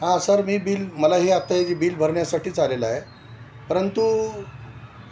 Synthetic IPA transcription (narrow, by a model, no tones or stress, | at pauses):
ɦãsəɾmiːbiːlməlaɦiat̪ːaɦed͡ʑibiːlbʱəɾɳjasaʈiːt͡salelae | pəɾənt̪u